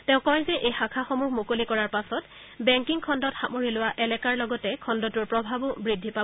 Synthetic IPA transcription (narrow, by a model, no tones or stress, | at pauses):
tɛ̃ʊ̃kɔjzɛʔejxakʰaxɔmuɦmokolikɔɹaɹpasɔt | bɛŋkiŋkʰɔndɔtxamoɹilʊwaʔɛlɛkaɹlɔɡɔtɛkʰɔndɔtʊɹpɹɔbʱabʊbɹidʱːipa